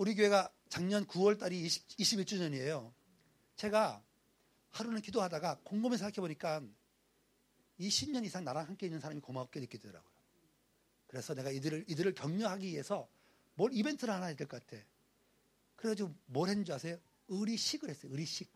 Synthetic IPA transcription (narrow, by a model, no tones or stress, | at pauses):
uɾik̬joɦe̞ɡa | t͡ɕaŋɲʌnkuwʌɭt͈aɾiiːɕʰibiɭt͡ɕ͈uɲʌɲie̞jo | t͡ɕe̞ɡa | haɾunɯnkidoɦadaɡakoŋɡomisʰŋɡakʰeboɲik͈an | iɕʰimɲʌnisʰaŋnaɾaŋɦamk͈e̞inːɯnsʰaɾamikomaok͈̚enɯk͈idedʌɾa̰ɡojo | kɯɾe̞sʰʌne̞ɡaidɯɾɯɭidɯɾɯɭpjʌŋɲoɦaɡiie̞sʰʌ | mʌɾibe̞ntʰɯɾɯɭhanaedɯɭkʌk͈atʰe̞ | kɯɾeɡʰad͡ʑiɡomoɾɦend͡ʑiɦasʰe̞jo | ɯɾiɕʰiɡɯɾɦe̞s͈ʌjʌɯɾiɕʰik̚